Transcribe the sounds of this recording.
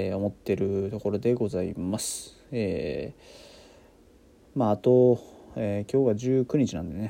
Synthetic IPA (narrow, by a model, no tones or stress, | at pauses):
o̞mo̞t̪ːe̞ɾɯ̟t̪o̞ko̞ɾo̞d̪e̞ɡo̞zaḭmasɨ̥ | eː | maːt̪o̞eːkʲo̞ːβaʑɨːkɯ̟ɲ̟it͡ɕinã̰nd̪e̞ne